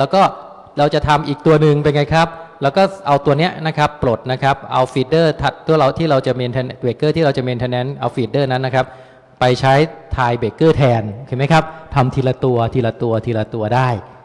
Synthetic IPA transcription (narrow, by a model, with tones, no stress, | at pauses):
lɛː˦˥wkɔː˥˩ | ɾa˧wt͡ɕa˨˩t̪ʰa˧mʔiː˨˩k̚t̪u˧ɐnɯ˨ŋpe˧nŋa˧jkʰa˦˥p̚lɛː˦˥wkɔː˥˩ʔa˧wt̪u˧ɐni˦˥ɐna˦˥kʰa˦˥pːɾo˨˩t̪̚na˦˥kʰa˦˥p̚ʔa˧wfiː˧t̪̚dɤː˥˩t̪ʰa˨˩t̪ʰːu˥˩ɾa˧wt̪ʰiː˥˩ɾa˧wt͡ɕa˨˩miː˧nt̪ʰɛ˧nbeː˨˩kːɤː˥˩iː˥˩ɾa˧wt͡ɕa˨˩miː˧nʰɛː˧nɛ˦˥nʔa˧wfiː˧˩dɤː˥˩na˦˥nːa˦˥kʰa˦˥p̚ | pa˧jt͡ɕʰa˦˥jt̪ʰaː˧jbeː˨˩kːɤː˥˩t̪ʰɛː˧nkʰi˨˩ma˦˥jkʰa˦˥p̚t̪ʰa˧mt̪ʰiː˧la˧t̪u˧ɐt̪ʰiː˧la˧t̪u˧ɐt̪ʰiː˧la˧t̪u˧ɐdaː˥˩j